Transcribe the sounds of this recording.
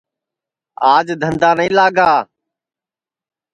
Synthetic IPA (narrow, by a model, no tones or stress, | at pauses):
aːd͡ʒd̪ʱənd̪aːnəĩːlaːɡaː